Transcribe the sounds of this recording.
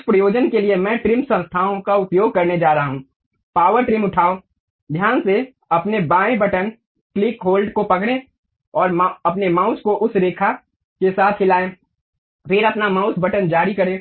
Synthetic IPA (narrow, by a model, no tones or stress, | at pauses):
ɪspɾɐjoːd͡ʒənkeliemɛ̃ʈɾɪmsə̃nst̪ʰaːõkaʊpjoːɡ̚kɐɾned͡ʒaːɾɐɦaɦũː | paːʋəɾʈɾɪmʊʈʰaːo | d̪ʱjaːnse | ɐpnebãːẽbɐʈən | klɪkɦoːlɖkopɐkɽ̃ẽ | ɔːɾɐpnemãːʊskoʔʊsɾeːkʰa | kesaːt̪ʰɦɪlaːẽː | pʰɪɾɐpnamãːʊsbəʈənd͡ʒaːɾikɐɾẽː